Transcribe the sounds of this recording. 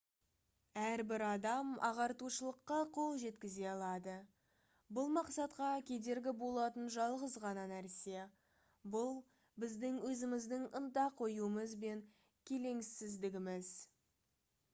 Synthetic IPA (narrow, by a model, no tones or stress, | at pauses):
æɾbɪɾɑd̪ɑmɑ̰ʁɑɾt̪uʃəlˠəqːɑqʰo̞lˠʒe̞t̪kʲɪze̞ɑlˠɑd̪ə | bʊlˠmɑqsɑt̪qɑkʲʰe̞d̪e̞ɾɡʲɪbo̞lˠɑt̪ənʒɑlˠʁəzʁɑnɑnæɾse̞ | bʊlˠ | bɪzd̪ɪŋwɵzɪmɪzd̪ɪŋənt̪ɑqʰːo̞juəməzbe̞ŋ | kʲʰe̞le̞ŋsɪzd̪ɪɡʲɪmɪz